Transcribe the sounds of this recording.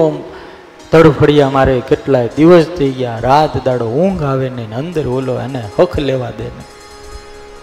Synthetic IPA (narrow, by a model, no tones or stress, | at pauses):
t̪əɽupʰəɽjamaɾekeʈlajd̪iʋəst̪əiɡjaɾat̪d̪aɽoũŋɡaʋenenənd̪əɾʋoloḛnehəkʰleʋad̪ene